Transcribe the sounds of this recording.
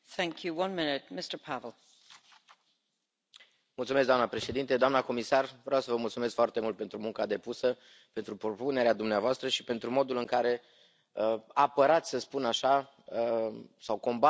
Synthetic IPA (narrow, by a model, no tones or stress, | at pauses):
θæ̃ŋkʰjɨwʌ̃nmɪnɪt̚mɪstə˞pʰavəl̩ˠ | mult̪sumes̬d̪oanəpɾe̞ʃe̞d̪int̪e̞d̪oamnəko̞misarvɾeawsəvəmult̪sume̞skfoart̪e̞mult̪̚pe̞nt̪ɾumuŋkad̪e̞pusə | pe̞nt̪ɾupɾo̞pune̞ɾead̪umneavoast̪ɾəʃi̥pe̞nt̪ɾumo̞d̪ulɨŋkaɾe̞ | əapəɾat̪sʲsəspunaʃa | əsawko̞mba